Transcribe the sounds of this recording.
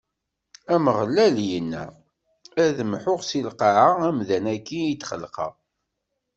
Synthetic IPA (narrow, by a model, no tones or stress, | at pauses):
æməʁlːæljənːæ̰ | æðəmħʊʁsilqɑʕaæmðænækːiit͡s̪ːχə̰lqɑ̰ʁ